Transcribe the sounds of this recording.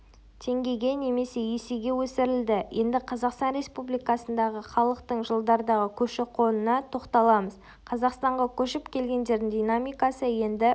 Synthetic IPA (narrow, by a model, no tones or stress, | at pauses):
t̪ʰe̞ŋɡʲe̞ɡʲe̞ne̞me̞se̞jeseɡʲe̞wɵsɪɾɪld̪ɪjʔe̞nd̪ɪqʰɑzɑqst̪ɑnɾʲe̞spublijkɑsənd̪ɑʁəχɑlˠəqt̪əɴʒəlˠd̪ɑɾd̪ɑʁəkʲʰɵʃɪqʰo̞nənɑt̪ʰo̞qt̪ɑlˠɑməz | qʰɑzɑqst̪ɑɴʁɑkʲʰɵʃɪpkʲʰe̞lɡʲe̞nd̪e̞ɾd̪ɪŋd̪ʲijnamijkɑsəje̞nd̪ɪ